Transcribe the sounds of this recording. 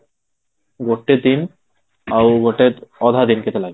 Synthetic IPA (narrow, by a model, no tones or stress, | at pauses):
ɡoʈːed̪in | awɡoʈeɾɔd̪ʱad̪inket̪elaɡ